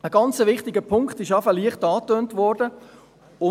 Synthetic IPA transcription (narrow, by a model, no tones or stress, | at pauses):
əɡ̥ɑnt͡səʋɪχtɪɡəpʰʊŋkχtɪʃɑfəliəχtɑːtøːntʋɔːɾd̥ə | ʊ